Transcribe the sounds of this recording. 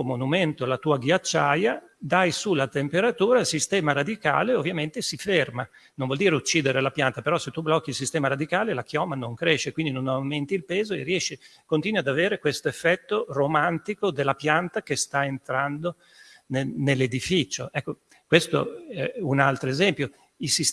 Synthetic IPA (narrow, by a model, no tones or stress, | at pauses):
monument̪olat̪uːaɡjat͡ʃːaja | d̪ajsulat̪empeɾat̪uːɾailsist̪ɛːmaɾad̪ika̰ːleovːjament̪esiferma | nõnvɔld̪iːɾeut͡ʃːiːd̪eɾelapjant̪apeɾɔset̪ːublɔkːilsist̪ɛːmaɾad̪ikaːlelakjɔmanoŋkɾeʃːekwind̪inonawment̪ilpeːzoḛriɛʃːikont̪iːnwad̪aveːɾekwest̪oefːɛt̪ːoromant̪ikod̪elːapjant̪akest̪aent̪ɾand̪o | nenelːed̪ifit͡ʃoʔɛkːo | kwest̪o̰ɛunalt̪ɾoezɛmpjo | ilsis